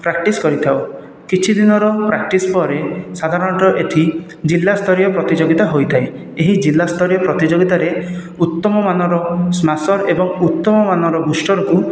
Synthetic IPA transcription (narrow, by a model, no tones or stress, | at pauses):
pɾak̚ʈiskɔɾit̪ʰaow | kit͡ʃʰid̪inɔɾɔpɾak̚ʈispɔɾesad̪ʱaɾɔɳʈɔʔet̪ʰi | d͡ʒilːast̪ʰɔɾjɔpɾɔt̪id͡ʒoɡit̪aɦojt̪ʰae | eɦid͡ʒilːast̪ʰɔɾijɔpɾɔt̪id͡ʒoɡit̪aɾe | ut̪ːɔmɔmanɔɾɔsmasɔɾebɔŋut̪ːɔmɔmanɔɾɔɡusʈɔɾɔku